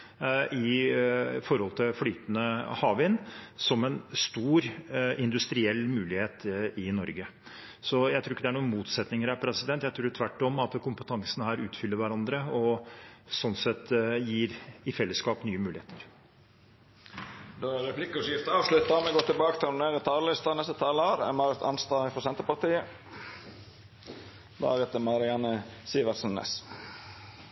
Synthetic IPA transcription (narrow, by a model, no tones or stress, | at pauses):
ʔɪ | fɔɾhɔlt̪ʰɪlflyːt̪nəhɑːʋɪnsɔmɛnst̪uːɾɪnd̪ʉst̪ɾɪɛlːmʉːlɪheːt̪ɪnɔɾɡə | sɔjæɪt̪ʰuːɾɪkːəd̪ɛæɳuːnmuːt̪sɛt̪nɪŋəɾæɾpʰɾɛsɪd̪ɛnt̪jæɪt̪ʰɾuːɾt̪ʰʋæʈːɔmɑt̪kʰʊmpət̪ʰɑŋsənhæːɾʉːt̪fʏlːəɾʋæɾɑnd̪ɾəɔ | sɔnsɛt̪jiːɾɪfɛlːəskɑːpnyːəmʉːlɪheːt̪ʰəɾ | d̪oæɾɛplɪkːəʂɪft̪əɑːʋlʉt̪ːɑmɛɡɔt̪ʰːɪbɑːkət̪ʰɪɾɑnneːɾət̪ʰɑːləlɪst̪ɑnɛst̪ət̪ʰɑːləɑːɾə̰mɑɾət̪ʰɑ̰nst̪ɑːɪfɔɾsɛnt̪əpɑɾt̪iːə | d̪ɑ̰ːɾhɛt̪əmɑɾɪɑnəsiːʋəɾsənːḛs